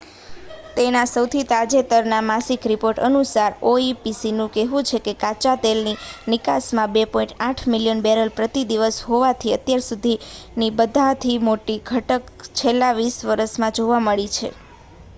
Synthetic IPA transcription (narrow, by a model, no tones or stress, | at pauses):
t̪enasəwt̪ʰit̪ad͡ʒet̪əɾnamasikɾipoɾʈənusaɾoipisinũkɛɦũt͡ʃʰekekat͡ʃat̪elninɪkasmãbepɔĩɳʈaʈʰmiljənbɛɾəlpɾət̪id̪iʋəsɦoʋat̪ʰiət̪jaɾsud̪ʱinibəd̪ʱat̪ʰimoʈiɡʱəʈək | t͡ʃʰelːaʋisʋəɾəsmãd͡ʒoʋaməɭit͡ʃʰḛ